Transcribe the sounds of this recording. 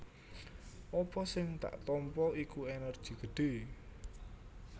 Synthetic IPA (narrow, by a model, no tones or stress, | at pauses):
ʔɔpɔsɪŋt̪a̰ʔt̪ɔmpɔikuenərd̥ʒ̥i̤ɡ̥əɖ̥e̤